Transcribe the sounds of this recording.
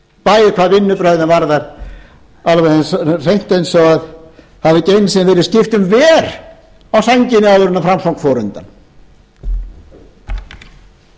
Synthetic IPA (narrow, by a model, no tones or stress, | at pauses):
paːjɪkʰvaðvɪnːʏpɾœɥðɪnvaɾðaɾ | alvɛɛnsr̥ejn̥t̪ejnsɔɣað | havðɪcejnsɛvɛːɾɪðscɪft̪ʏmvɛːɾ̥ | awsaɲcɪnɪawvʏɾʏnːafɾamsawŋkfɔːɾʏ̰nt̪an